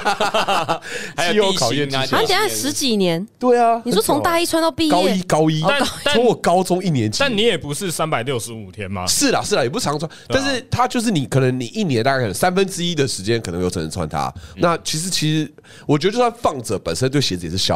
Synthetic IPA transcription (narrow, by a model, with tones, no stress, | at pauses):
a˧˦jo˥kʰɑ˨jɛ˥˨n˥a˥jɛ˨˩a˥˩ʂɻ̩˧˥t͡ɕi˨˩njɛ˧˦nt̪we˥˩ɪa˨ʂɔ˥t͡sʰo˧˦ŋt̪a˥˧i˥t͡sʰwa˥˧nt̪ɑ˥˧pi˥˧ɑ˦i˦˥kɑ˥ʊi˦˥ɔ˧˦wɔ˨˩kɑ˥ʊt͡sʊ˥ŋi˥˩njɛ˧˦nt͡ɕi˥˨nni˨˦jɛ˨˩pu˧˦ʂɻ̩˥˩˨sa˦npa˨˩ɪljo˥˧ʊʂɻ̩˧˦u˨˩t̪ʰjɛ˦nmɐ̰˧ʂɻ̩˥˩laɐ˨˩ʂɻ̩˥˩la˨˩jɛ˨˩pu˥˩ɑ˧˦ŋ˧t͡sʰwa˥˧nt̪nʂ̬ɻ̩˥˩t̪ʰa˦t͡ɕjo˥˧ʊʂ̬ɻ̩˥˩ni˨˩kʰɤ˨˩nə˧˦ŋni˨˩i˥˩njɛ˧na˥˧a˥˩k̪ʰə˦˧sa˦˥nfə˦nʈ͡ʂɻ̩˥i˦˥d̪ə˨ʂɻ̩˧˥t͡ɕjɛ˦nkʰə˨˩nə˧˦ŋjo˥˩ʊʈ͡ʂʰnə̰˧t͡sʰa̰˥˩nt̪ʰa̰˥na˥˨t͡ɕʰi˧˥ʂ̬ɻ̩˧˥t͡ɕʰi˧˥ʂ̩˧˥ | wɔ˨˩t͡ɕɥdt͡ɕjswa˥˧nfɑ˥˩ŋt͡sɤ˨˦pə̰˨˩nsə˥t̪we˥˩ɕjɛ˧˥t͡s̩˧˨jɛ˨˩ʂɻ̩˥˧ɕjɑ̰˥˩˨